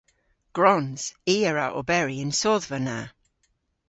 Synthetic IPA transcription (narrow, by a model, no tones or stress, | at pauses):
ɡ̥ɹɔnz̥iːəɹaʔo̰bɛɹiɪnsɔðvəna